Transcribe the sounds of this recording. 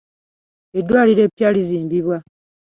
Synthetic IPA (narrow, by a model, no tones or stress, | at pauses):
edwaːliɾe̞ːpjaːliziːmbiβwa